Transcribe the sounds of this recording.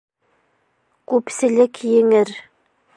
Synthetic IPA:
kʉpsɘ̆lɘkjɘ̆ŋɘɾ

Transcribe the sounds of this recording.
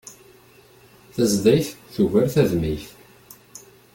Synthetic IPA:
θæzðæjθθuvæɾθæðmiθ

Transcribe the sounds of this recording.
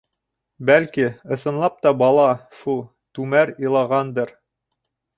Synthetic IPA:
bælkiɤ̆sɤ̆nlˠɑp̚t̪ɑbɑlˠɑʃu | t̪ʉmæɾilˠɑʁɑnd̪ɤɾ

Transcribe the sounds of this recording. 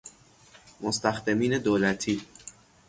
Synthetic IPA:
most̪æxd̪emiːne̞d̪oːlæt̪ʰiː

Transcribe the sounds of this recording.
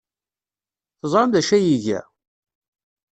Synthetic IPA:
θəzˤɾɑmðæʃæjiʝæ̰

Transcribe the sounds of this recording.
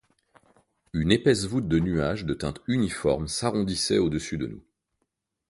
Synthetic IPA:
ynepɛsvut̪̚d̪ənyaʒd̪ət̪ɛ̰̃t̪ynifɔʁmsaʁɔ̃d̪isɛod̪əsyd̪ə̰nṵ

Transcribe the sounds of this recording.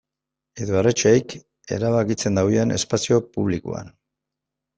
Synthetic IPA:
eðoaret͡ʃejk | e̞̰ɾaβakit͡se̞nd̪awiene̞spasio̞puβ̞liko̰a̰n

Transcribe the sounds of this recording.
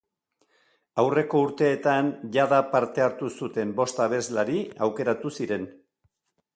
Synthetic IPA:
awre̞ko̞uɾt̪e̞ːt̪anʝaðapaɾt̪e̞aɾt̪usut̪e̞mbo̞st̪aβ̞e̞zlaɾiawke̞ɾat̪usiɾe̞n

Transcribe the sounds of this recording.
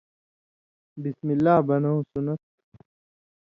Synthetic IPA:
bismilːaːbɐnɐũsunɐt̪̚

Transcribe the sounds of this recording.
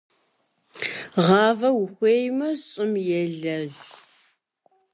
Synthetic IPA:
ʁɑːvɐwʊxʷeːjmɐɕʼɪmjɛɮɐʑ

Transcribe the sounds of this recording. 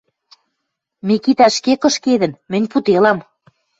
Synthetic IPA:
mekit̪æʃkekɤ̆ʃked̪ə̆nmɘ̆nʲput̪elɑm

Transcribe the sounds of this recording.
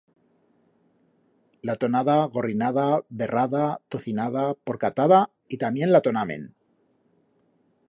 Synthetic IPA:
lat̪o̞naðaɣo̞rinaðaβe̞rʔaðat̪oθinaðapo̞ɾkat̪aða | it̪amje̞nlat̪o̞namḛ̃n

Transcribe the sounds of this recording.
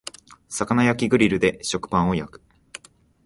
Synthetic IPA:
sakanajakʲiɡɯ̟ɾʲiɾɯ̟d̪e̞ɕo̞kɯ̟̥pãɰ̃o̞jakɯ̥

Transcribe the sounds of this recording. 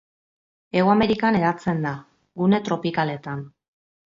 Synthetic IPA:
e̞wame̞ɾikane̞ɾat͡se̞nd̪a | ɡune̞t̪ɾo̞pikale̞t̪an

